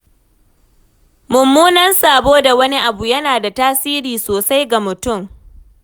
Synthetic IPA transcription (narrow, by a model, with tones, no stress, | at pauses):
mʊ˨mːuː˦nɐ˦nsaː˨boː˦da˨wɐ˦ni˦ʔa˨bu˨jɐ˦naː˨da˨taː˦siː˦ɾiː˨soː˨sa˦jɡa˨mʊ˨tʊ˦˨m